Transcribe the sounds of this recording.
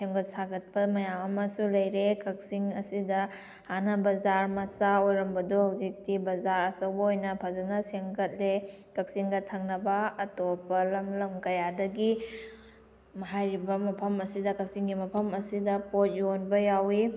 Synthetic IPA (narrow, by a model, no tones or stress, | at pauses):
seŋɡɐt̚saɡɐt̚pɐmɐjamɐmɐsulɐjɾekɐk̚siŋɐsidɐ | hanɐbɐzaɾmɐsaojɾɐmbɐduhawzik̚tibɐzaɾɐsɐwbɐojnɐpʰɐzanɐseŋɡɐt̚lekɐk̚siŋɡɐtʰɐŋnɐbɐɐtopɐlɐmlɐmkɐjadɐɡi | mɐɦajɾibɐmɐpʰɐmɐsidɐkɐk̚siŋɡimɐpʰɐmɐsidɐpot̚jonbɐjawi